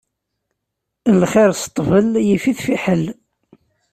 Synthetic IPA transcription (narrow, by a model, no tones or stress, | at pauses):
lːχiɾsə̥t̪ˤːvəljifiθfiħəl